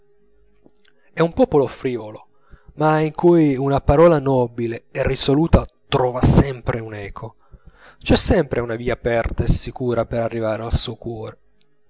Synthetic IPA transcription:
ɛumpɔːpolofɾiːvolo | maiŋkujunapaɾɔːlanɔbileɛrːisoluːt̪at̪ɾɔːvasɛmpɾeunɛːkʰo | t͡ʃɛsːɛmpɾʔeunaviːaːpɛrt̪aesikuːɾapeɾarːivaːɾealsuːokwɔːɾe

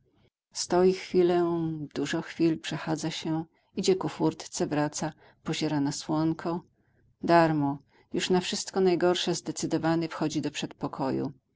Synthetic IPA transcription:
st̪ɔjixfʲilɛd̪uʐɔ̃xfʲilpʂɛxad̪zaɕɛ | id͡ʑɛkufuɾt̪t̪sɛvɾat̪sa | pɔʑɛɾanaswɔŋkʰɔ | d̪aɾmɔ | juʂnafʂɘst̪kɔnajɡɔɾʂɛzd̪ɛt̪sɘd̪ɔvaɲɛfxɔd͡ʑid̪ɔpʂɛt̪pɔkʰɔjṵ

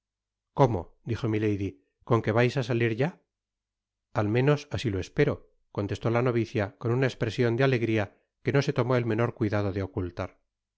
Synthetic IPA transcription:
ko̞mo̞̰d̪ixo̞mile̞jði | ko̞ŋke̞β̞ajsasaliɾʝa | almẽ̞no̞sasilo̞e̞spe̞ɾo̞ | kont̪e̞st̪o̞lano̞βiθjako̞nunaespɾe̞sjo̞nd̪eale̞ɣɾia | ke̞no̞se̞t̪o̞mo̞elmẽ̞no̞ɾkwiðað̞o̞ðeo̞kult̪aɾ

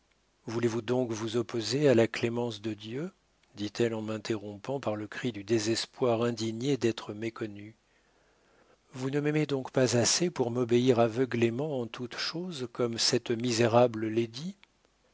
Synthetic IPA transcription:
vulevud̪ɔ̃kvuzɔpozealaklemɑ̃s̬d̪əd̪jø | d̪it̪ɛlɑ̃mɛ̃t̪eʁɔ̃pɑ̃paʁləkχid̪yd̪ezɛspwaʁɛ̃d̪iɲed̪ɛt̪χəmekɔny | vunəmɛmed̪ɔ̃kpazasepuʁmɔbeiʁavəɡlemɑ̃ɑ̃t̪ut̪ʃozkɔmsɛt̪mizeʁabləled̪i

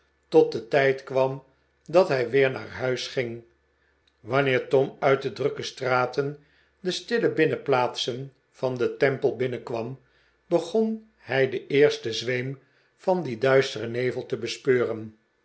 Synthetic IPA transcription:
tɔt̚dətɛjtkʋɑm | dɑtɦɛjʋɪːɹna̰ːɹɦœɥsχɪŋ | ʋɑnɪːɹtɔmœɥt̚dədrøkəstraːtən | dəstɪləbɪnəplaːtsən | fɑndətɛmpəlˠbɪnəkʋɑm | bəχon | hɛjdəɪːɹstəzʋejm | fɑndidœɥstərənejvəl̩ˠtəbəspøːrən

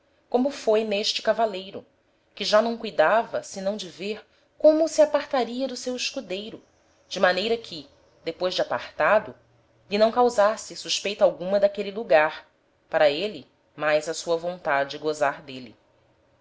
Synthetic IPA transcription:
kõmʊfojneʃt͡ʃɪ̥kavalejɾʊ̰ | kɪʒanɐ̃w̃kujd̪avɐsɪnɐ̃w̃d͡ʒɪveɾ | kõmʊsiapaɾt̪aɾiɐd̪ʊsewiʃkud̪ejɾʊ | d͡ʒɪmanejɾɐkʰɪ | d̪epojzd͡ʒɪapaɾt̪ad̪ʊ | linɐ̃w̃kawzasɪsuʃpejt̪awɡũmɐd̪akeliluɡaɾ | paɾɐelɪ | majzɐsuɐvõnt̪ad͡ʒɪɡozaɾd̪eli

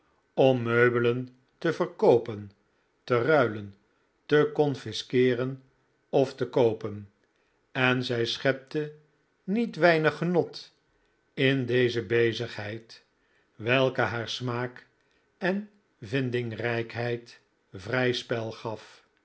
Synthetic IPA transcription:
ɔmːøɥbələn | təvərkowpən | tərœɥlən | təkɔnfɪskɪːrən | ɔftəkowpən | ɛnzɛjsχɛp̚tə | nitʋɛjnəχənɔt | ɪndejzəbejzəχɦɛjt | ʋɛlˠkəɦaːɹsmaːk | ɛn | vɪndɪŋrɛjkɦɛjt | vrɛjspɛlˠχɑf

